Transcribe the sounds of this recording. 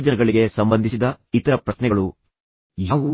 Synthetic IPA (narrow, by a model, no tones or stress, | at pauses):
d͡ʒɐnɐɡɐɭiɡe̞sɐmbɐnd̪ʱisid̪ɐ | it̪ɐɾɐpɾɐʃnɛɡɐɭu | jau